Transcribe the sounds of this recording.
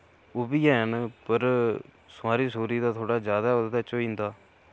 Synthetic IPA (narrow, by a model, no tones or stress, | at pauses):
oːbiːɛːnpəɾ | sʊaːɾiːsoːɾiːd̪aːt̪ʰoːɽaːd͡ʒjaːd̪aːod̪d̪aːt͡ʃoːĩːnd̪aː